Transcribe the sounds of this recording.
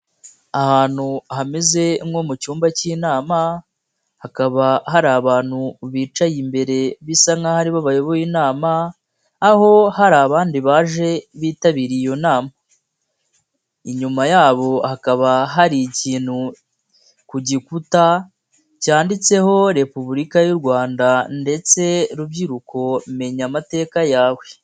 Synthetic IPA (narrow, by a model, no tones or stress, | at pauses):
ahaːn̥huɦameze̞mɡo̞mucuːmbaciːnaːma | hakaβaɦaɾaːβaːn̥huβiːt͡ʃajimbe̞ɾe̞βisaŋahaɾiβaβajo̞βojiːnaːmaː | ho̞haɾaːβaːndiβaːʒe̞βiːtaβiɾijo̞naːma | iɲumajaːβo̞hakaβaɦaɾiciːn̥hu | kuɟikuta | caːndit͡se̞ho̞ɾe̞puβuɾikajuɾɡwaːndande̞t͡se̞ɾubɟiɾukʰo̞me̞ɲamate̞ːkajaːwe̞